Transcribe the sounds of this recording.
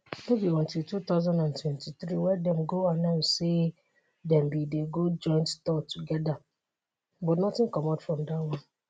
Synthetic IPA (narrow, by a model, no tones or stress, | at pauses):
nobiɔ̃ntilˠtut̪aʊzãndãntwɛ̃ntitɾiwɛdɛ̃mɡoanãʊ̃sse | dɛ̃mbideɡod͡ʒɔ̃ɪ̃ntstɔtuɡɛda | bɔtnɔtɪ̃ŋkɔmatfɹɔ̃mdawɔ̃n